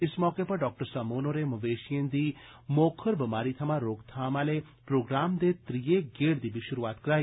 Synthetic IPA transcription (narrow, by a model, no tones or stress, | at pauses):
ɪsmɔːkepəɾɖɔːk̚ʈəɾsəmoːnoɾemɐʋeːʃijẽnd̪i | moːkʰəɾbɐmaːɾit̪ʰəmaɾoːkt̪ʰaːmale | pɾoːɡɾaːmd̪et̪ɾijeɡeːɽd̪ibiʃʊɾuʋaːt̪kəɾaːi